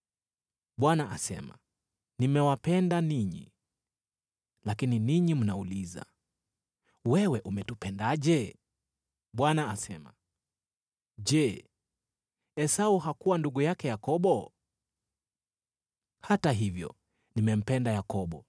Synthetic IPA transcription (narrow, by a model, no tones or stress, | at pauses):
ɓwanaʔa̰sɛ̰ma̰ | nimɛwapɛndaniɲḭ | lakininiɲim̩nauliza̰ | wɛwɛʔumɛtupɛndaʄɛ | ɓwanaasɛma | ʄɛ | ɛsauhakuwanduɠujakɛjakɔɓɔ | hataɦivjɔ̰ | nimɛm̩pɛndajakɔɓɔ